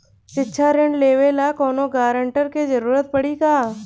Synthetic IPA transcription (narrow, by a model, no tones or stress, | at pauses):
sɪtːʃʰaɾẽɳɖleːʋelaːkɔːnoɡaːɾəɳʈəɾked͡ʒəɾuːɾət̪̚pəɽikaː